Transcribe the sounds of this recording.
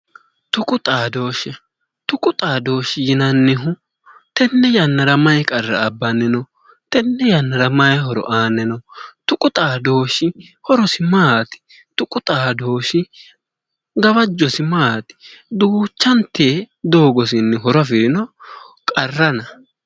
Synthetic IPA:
t̪ʊkʼʊt̪ʼaːd̪o̞ːʃɛ | t̪ʊkʼʊt̪ʼaːd̪o̞ːʃɪjɪnɐnːɪɦʊ | t̪ɛnːɛjɐnːɐɾɐmɐjkʼɐrːɐ̰ɐbːɐnːɪnɔ | t̪ɛnːɛjɐnːɐɾɐmɐjɦɔɾɔ̰ʔaːnɛnɔt̪ʊkʼʊt̪ʼaːd̪o̞ːʃɪ | hɔɾɔsɪmaːt̪ɪ̥ | t̪ʊkʼʊt̪ʼaːd̪o̞ːʃɪ | ɡɐbɐd͡ʒːɔsɪmaːt̪ɪ̥d̪uːt͡ʃːɐnt̪eː | d̪o̞ːɡɔsɪnːɛɦɔɾɐfɪɾɪnɔ | kʼɐrːɐnɐ

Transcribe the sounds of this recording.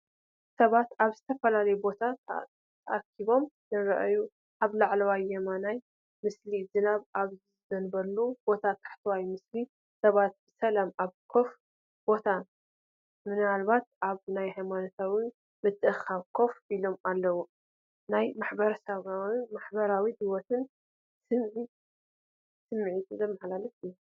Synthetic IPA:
sɐβat̪aβzɨt̪ʰɐfɐlalɐjubo̞t̪ʰa | t̪ʰɐʔakʰːiβo̞mnɨɾɐʔaju | ʔaβlaʕlɐwajːɛmanaj | mɨslizɨnaβaβzizzɐnbɐlːub̥o̞t̪ʰat̪ʰḁħt̪ʰwajmɨsli | sɐβat̪̚bɨsɐlamaβkʰo̞f | b̥o̞t̪ʰan | mɨnɨalbat̪ʔaβnajhajmanot̪ʰawi | mɨt̪ʰʼːɨʔɨxaβkʰo̞filo̞malːɐwu | najmaħbɐɾɐsɐβawimaħbɐɾawid̪ɨwot̪ʰɨn | sɨmʕi | sɨmːɨʕit̪ʰɨzɐmːɐħlalɐt̪iju

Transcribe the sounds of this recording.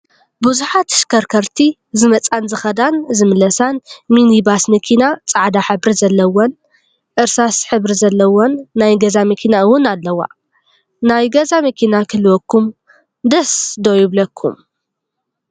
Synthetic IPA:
buzuħat̪ɨ̥ʃkʰɐɾkʰɐɾt̪ʰi | zɨmɐt͡sʼanzɨxɐd̪anzɨmɨlɐsanminibasmɐkʰinat͡sʼaʕd̪aħɨbɾizɐlːɐwon | ʔɨɾsasħɨβɾizɐlːɐwonːajɡɐzamɐkʰinaɨwʊnalːɐwa̰ | najɡɐzamɐkʰinakʰɨlwɔkʰːum | d̪ɐsd̪ojɪβlɐkʰːṵm

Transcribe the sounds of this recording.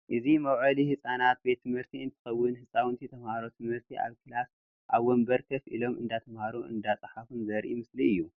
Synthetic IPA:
ʔɨzimɐwʕɐlihɨsʼanat̪̚be̞t̪ʰːɨmhɨɾt̪ʰiɨnt̪ʰɨ̥xɐwːɨnhɨsʼawɨnt̪ʰit̪ʰɐmhaɾot̪ʰɨmhɨɾt̪ʰiʔa̰βkʰɨlas | ʔaβwɔmbɐɾkʰɐfʔḭlo̞mɨnd̪at̪ʰɐmhaɾuɨ̰nd̪at͡sʼɨħafunzɐɾʔimɨsliɨjːu

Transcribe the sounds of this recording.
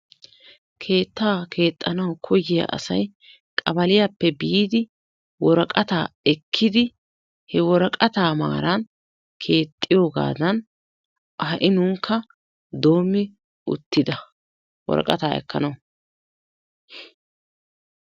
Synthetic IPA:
kʰe̞ːt̪ːaːkʰe̞ːt̪ʼːɐnɐwkʰɔjɪjɐ̰ʔɐ̰sɐj | kʼɐbɐlɪjapːɛbiːd̪ɪ | wɔɾɐkʼɐt̪aːɛkʰːɪd̪ɪ | hɛwɔɾɐkʼɐt̪aːma̰ːɾɐn | kʰe̞ːt̪ʼːɪjo̞ːɡa̰ːd̪ɐn | ɐɦɐʔɪnʊŋkʰːɐ | d̪o̞ːmːɪ | ʊ̰t̪ːɪd̪ɐ | wɔ̰ɾɐ̰kʼɐt̪aːɛ̰kːɐ̰nɐwʊ

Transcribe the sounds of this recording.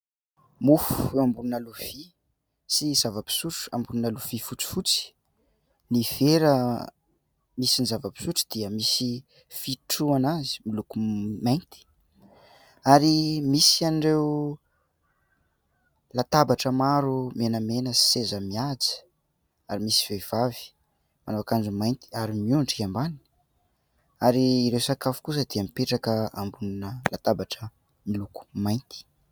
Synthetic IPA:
mufu̥ambununaluv̥i | sizavəpi̥suʈ͡ʂambununaluv̥ifut͡si̥fut͡si̥ | niv̥eɾə | misinizavəpi̥suʈ͡ʂd̪̥iəmisi | fiʈ͡ʂuanazi̥milukumajnt̪i̥ | aɾimisanɖ͡ʐew | lat̪abaʈ͡ʂəmaɾumenəmenəi̥sezəmiad͡zi̥ | aɾimisi̥v̥ev̥avi̥ | manoakand͡zumajnt̪i̥aɾimiuɳʈ͡ʂiambani̥ | aɾiːɾewsakafu̥kus̬əd̪iəmipeʈ͡ʂakəa̰mbuninəlat̪abaʈ͡ʂə | miluku̥majnt̪i̥

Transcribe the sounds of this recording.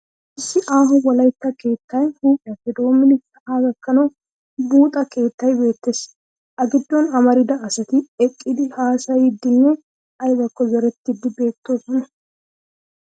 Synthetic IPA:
ʔɪsːɪʔaːɦɔwɐlɐjt̪ːɐke̞ːt̪ːɐjhuːpʼɪjɐfɛd̪o̞ːmːɪnɪsɐʔaːɡɐkːɐnɐw | buːt̪ʼɐke̞ːt̪ːɐjbe̞ːt̪ːeːs | ʔɐɡɪd̪ːɔnɐmɐɾɪd̪ɐːsɐt̪ɪɛkʼːɪd̪ɪhaːsɐjɪd̪ːɪnːɛ | ɐjbɐkːɔzɛɾɛt̪ːɪd̪ɪbe̞ːt̪ːo̞ːsɔnɛ

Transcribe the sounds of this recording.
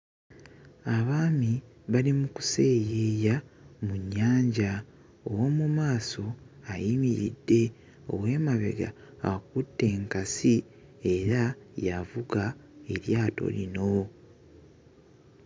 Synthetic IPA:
aβaːmi | βalimuku̥se̞ːjejamuɲːaːɲɟa | owo̞mumaːso̞ajimiɾḭdːe̞ | o̰we̞ːmaβe̞̰ɡa̰ | ak̚utːe̞ːŋkasi | e̞ɾajavuɡae̞ɾjaːto̞̰lino̞

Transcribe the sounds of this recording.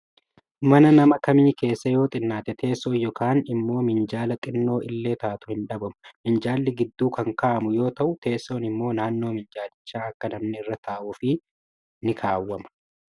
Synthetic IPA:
mɐnɐnɐmɐkɐmiːke̞ːsːɐjo̞ːt̪ʼɪnːaːt̪ɛt̪ʰe̞ːsɔːjːɔkaːnɪmːo̞ːmɪnd͡ʒaːlɐk̪ʼɪnːo̞ːʔɪlːe̞ːt̪aːt̪ʊhɪnᶑɐbɐmʊmɪnd͡ʒaːlːɪɡɪd̪ːuːkɐŋkaʔɐmʊjo̞ːt̪ɐʔʊt̪e̞ːsːo̞ːnɪmːo̞ːnaːnːo̞ːmɪnd͡ʒaːlɪt͡ʃːaːɐkːɐnɐmnɪɪrːɐt̪ʰaːʔuːfɪ | nɪkʰaːwːɐmɐ̥

